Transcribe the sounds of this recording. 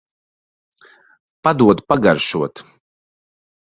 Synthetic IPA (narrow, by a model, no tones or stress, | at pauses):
pad̪uɔd̪paɡaɾʃuɔt̪